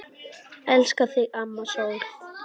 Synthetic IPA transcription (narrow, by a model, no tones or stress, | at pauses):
ɛlskaθiʔamːaso